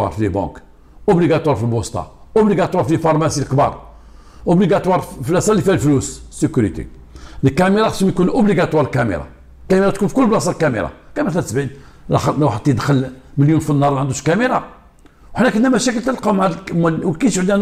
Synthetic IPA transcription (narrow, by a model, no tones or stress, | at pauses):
ɑ̰ɾflibɑ̰̃k | ʔʊbliɡæt̪ˤwɑɾˤfilbost̪ɑ̰ʔʊbliɡæt̪ˤwɑɾflifɑɾˤmæsilkbɑ̰ɾˤ | ʔʊbliɡæt̪wɑɾˤfilʔæsˤɑlːifihælflussːəkuɾit̪ḭ | ləkæmiɾˤɑxəʃmj̪kunʔʊbliɡæt̪wɑɾlkæmḭɾɑ̰ | kæmiɾɑt̪kunfi̥kʊlːblɑs̬ˤɑɾlkæmḭɾˤɑ̰kæmæt̪æt̪sbin | læ̰xwħəd̪t̪ːid̪xəlməljunfinːɑɾˤʕənd̪uʃkæmiɾˤɑ | wħnːækənːæmæʃækəlt̪əlqɑmʕamwlkiʃd̪in